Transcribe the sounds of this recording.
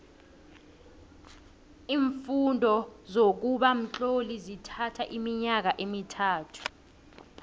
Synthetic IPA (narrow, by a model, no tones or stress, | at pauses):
iːɱfundʱɔzok̬uɓam̩t͡ɬolizitʰatʰaʔimiɲak̬aʔemitʰaːtʰu̥